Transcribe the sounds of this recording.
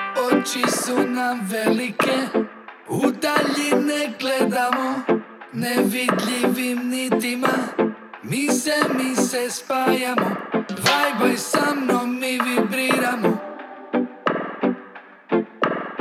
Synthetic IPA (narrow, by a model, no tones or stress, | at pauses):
ot͡ʃisunamʋelike | ud̪aʎineɡled̪amo | neʋid̪lʎiʋimnit̪ima | misɛmisɛspaːjamod̪ʋajbojsamnomːiʋibɾiɾamo